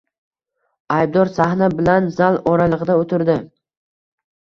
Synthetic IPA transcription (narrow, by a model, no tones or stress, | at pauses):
ajb̚d̪ɒɾsahnabɪlanzalˠɒɾalˠɨʁɨd̪aot̪ʰɪɾd̪ɪ